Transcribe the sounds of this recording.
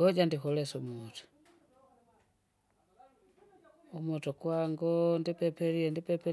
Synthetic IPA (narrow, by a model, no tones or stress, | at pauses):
ɡɔɟandixɔlɛsumutu̥ | umutɔkwaŋɡɔndipɛpɛliɛndipɛpɛ